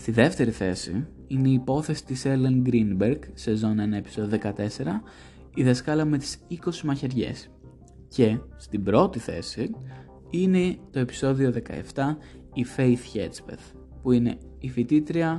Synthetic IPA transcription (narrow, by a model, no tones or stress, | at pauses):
st̪iðe̞ft̪e̞ɾiθe̞sḭ | ineiːpo̞θe̞si̥t̪iselenɡɾinbeɾɡse̞zo̞ne̞nɐepi̥so̞ðiðe̞kɐt̪e̞se̞ɾɐ | iðɐskɐlɐme̞t̪i̥siko̞simɐçe̞ɾʝe̞̰s | ce̞st̪ibɾo̞t̪iθe̞̰si | ine̞t̪o̞e̞pi̥so̞ðio̞ðe̞kɐ̰ḛft̪ɐ | ife̞jθçḛt̪spḛθ | puine̞̰ | ifit̪it̪ɾiɐ